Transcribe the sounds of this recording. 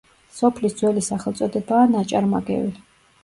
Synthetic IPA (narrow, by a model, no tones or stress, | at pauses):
sɔpʰlisd̪zwɛlisaχɛlˠt̪sʼɔd̪ɛbaːnat͡ʃʼaɾmaɡɛ̰vi